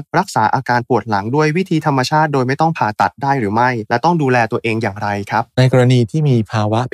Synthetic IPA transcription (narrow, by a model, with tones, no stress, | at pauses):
ɾa˦˥k̚saː˩˦ʔaː˧kaː˧npu˨˩ət̪̚la˩˦ŋdu˥˩əjwi˦˥t̪ʰiː˧t̪ʰa˧mːa˧t͡ɕʰaː˥˩t̪̚doː˧jma˥˩jt̪ɔ˥˩ŋpʰaː˨˩t̪a̰˨˩t̪̚daː˥˩jɾɯː˩˦ma˥˩jlɛ˦˥t̪ɔ˥˩ŋduː˧lɛː˧t̪u˧əʔeː˧ŋjaː˨˩ŋɾa˧jkʰa˦˥p̚na˧jkɔ˧ɾa˧niː˧t̪ʰiː˥˩miː˧pʰaː˧wa˦˥ʔpʰ